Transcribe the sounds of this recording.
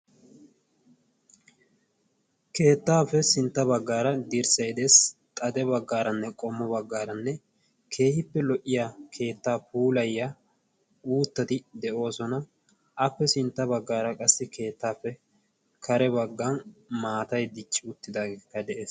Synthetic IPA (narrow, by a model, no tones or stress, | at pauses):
ke̞ːt̪ːaːfɛsɪnt̪ːɐbɐɡːaːɾɐd̪ɪɾsɐjd̪eːst̪ʼɐd̪ɛbɐɡːaːɾɐnːɛkʼɔmːɔbɐɡːaːɾɐnːɛ | kʰe̞ːhɪpːɛlɔʔːɪjaːkʰe̞ːt̪ːaːpuːlɐjːa | uːt̪ːɐt̪ɪd̪ɛʔo̞ːsɔnɐ | ʔɐpːɛsɪnt̪ːɐbɐɡːaːɾɐkʼɐsːɪkʰe̞ːt̪ːaːpːɛ | kʰɐɾɛbɐɡːɐnmaːt̪ɐjd̪ɪt͡ʃʼːɪʊt̪ːɪd̪aːɡeːkːɐd̪ɛʔeːs